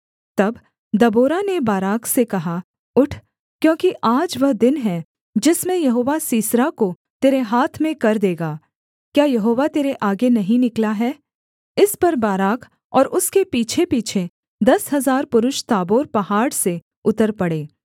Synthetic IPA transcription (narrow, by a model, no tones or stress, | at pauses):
t̪ɐb | d̪ɐboːɾanebaːɾaːksekɐɦa | ʊʈʰ | kjõːkiʔaːd͡ʒʋɐɦd̪ɪnɦɛ | d͡ʒɪsmẽjɐɦoːʋasiːsɾako | t̪eːɾeɦaːt̪ʰmẽkɐɾd̪eːɡaː | kjaːjɐɦoːʋat̪eːɾeʔaːɡenɐɦĩnɪklaɦɛː | ɪspɐɾbaːɾaːk | ɔːɾʔʊskepiːt͡ʃʰepiːt͡ʃʰe | d̪ɐsɦɐzaːɾpʊɾʊʃt̪aːboːɾpɐɦaːɽse | ʊt̪əɾpɐɽeː